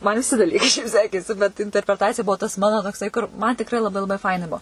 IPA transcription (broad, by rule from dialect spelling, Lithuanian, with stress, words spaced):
mɐn ʋʲɪˈsʲɪ dɐˈlʲiːkɐɪ ʃʲɛɪp ˈsʲæːkʲeːsʲɪ bʲɛt ɪnʲtʲɛrʲpʲrʲɛˈtɑːt͡sʲɪjɛ ˈbuɔ tɐs ˈmɑːnoː toːkˈsɐɪ kʊr ˈmɐn tʲɪkˈrɐɪ lˠɐˈbɐɪ lˠɐˈbɐɪ ˈfɐɪnɐ ˈbuɔ